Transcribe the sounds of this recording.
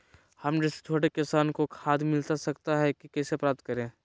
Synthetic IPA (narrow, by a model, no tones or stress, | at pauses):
hɐmd͡ʒɪse̥t̪ʰoːɽekɪsaːnkokʰaːd̪mɪlt̪asɐkt̪aɦɛkikɛːsepɾaːp̚t̪̚kɐɾẽː